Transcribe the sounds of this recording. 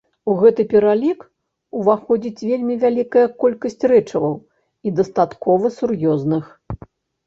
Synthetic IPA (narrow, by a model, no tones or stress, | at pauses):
uɣɛt̪ɨpʲɛɾalʲik | uvaxɔd͡zʲit͡sʲvʲelʲmʲivʲalʲikɐjɐkɔlʲkɐsʲt͡sʲrɛt͡ʂɐvɐw | id̪ɐst̪at̪kɔvɐsurjɔznɨx